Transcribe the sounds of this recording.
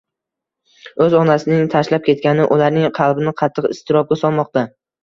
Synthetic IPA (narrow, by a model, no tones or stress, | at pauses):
ɵzɒnasɪnɪŋt̪ʰaʃlap̚kʲʰe̞t̪̚kʲanɪʔʊlaɾnɪŋqʰɑlˠbɪnɪqʰɑt̪ʰːɨqɪ̰st̪ʰɪɾɒp̚ɡʲasɒlˠmɒq̚t̪a